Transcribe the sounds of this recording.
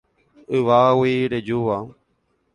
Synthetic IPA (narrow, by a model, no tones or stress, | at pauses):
ɨʋaːwiɾed͡ʒuʋa